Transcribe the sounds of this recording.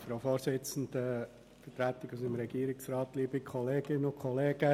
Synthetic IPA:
fɾoʊfoːɾsɪt͡sn̩d̥̪ə | fətɾæt̪ɪɡusimɾɛɡ̥iːəɾɪksrɑːt̪liːbikʰɔleːɡɪnʊkʰχɔleːɡ̥ə

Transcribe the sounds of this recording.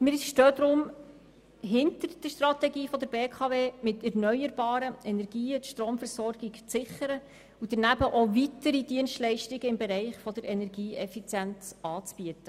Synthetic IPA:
mɪʃtøːd̪ɾʊm | ɦɪntəɾd̥əʃtrɑtɛɡiːfɔd̪əɾbeːkʰɑveːmɪtʰɛɾnœʏəɾb̥ɑːɾəɛnɛɾɡiːətʃtɾoːmfəɾsɔɾɡ̥ikt͡sɪχəɾə | ud̥̪əɾnæbəʔovitəɾid̪iənstlɛɪʃtɪɡəɪmbeɾɛɪχfɔd̪əɾɛnɛɾɡiːʔɛfit͡sjænt͡sɑːt͡sb̥iətə

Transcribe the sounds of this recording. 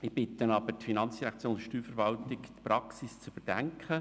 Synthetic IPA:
ɪb̥ɪt̪ːənɑbətfinɑnt͡sd̥iɾækt͡sjoːnʃtyːfəɾvɑlt̪ɪktpɾɑksist͡sbəd̥æŋkχə

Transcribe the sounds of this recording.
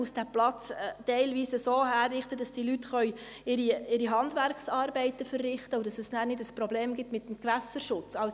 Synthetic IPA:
usd̥æplɑt͡stɛɪlʋiːsəsoːhæːrːɪχtəd̥ɑsd̥ilytχœʏ | ɪɾiɪɾiɦɑndʋæɾkχsɑːɾbɛɪtəfərːɪχt̪əʊdɑsɛsnæːɾnɪdəspɾɔbleːmɡɪtmɪt̪əmkʋæsəɾʃʊt͡sɑws

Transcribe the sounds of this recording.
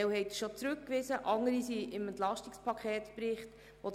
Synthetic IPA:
ɛwhɛɪtʃot͡sɾɵkːʋɪsəʔɑŋəɾisiʔɪmɛntlɑʃtikspʰɑkʰχɛːtpɾɪχt | ʋo

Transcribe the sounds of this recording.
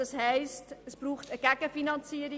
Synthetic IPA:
ɑshɛɪstəsb̥ruːχtəɡ̥æɡ̥əfinɑnt͡siəɾi

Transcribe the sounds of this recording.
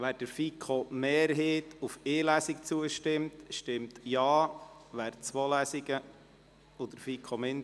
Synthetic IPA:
ʋæːɾd̥əɾfikʰomeːɾɦeːtufeːlæsikt͡suəʃtɪmtʃtɪmtjɑːʋæːɾt͡sʋoːlæsiɡ̥ə | od̪əɾfikʰomɪn

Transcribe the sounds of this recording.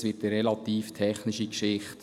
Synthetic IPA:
sʋɪtəɾɛlɑtiːftʰɛχnɪʃikʃɪχt

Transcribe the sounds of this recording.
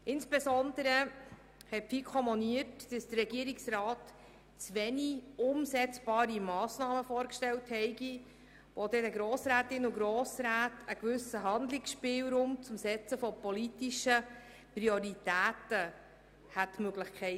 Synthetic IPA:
ɪnsb̥ɛsɔnd̪əɾə | hɛtfikʰɔmɔniətd̥əsd̥ərːɛɡiəɾiksɾɑːt | t͡sʋɛniʊmsɛt͡sb̥ɑːɾimɑːsnɑːməfɔːɾkʃtɛlthɛɪɡi | ʋod̪ɛdəɡɾoːsɾæːtɪnuɡɾoːsɾæːtʰəkʋʏsəɦɑnd̪lɪksʃpɪːwɾʊmt͡sʊmsɛt͡səfɔpɔlitiʃə | prioɾitæːtə | hætmøɡlɪχkʰɛɪ

